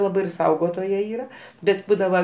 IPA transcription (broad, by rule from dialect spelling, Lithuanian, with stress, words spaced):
ˈlˠɑːbɐɪ ɪr ˈsɐʊɡoːtoːjɛ ˈiːrɐ ˈbʲɛt ˈbuːdɐʋɐ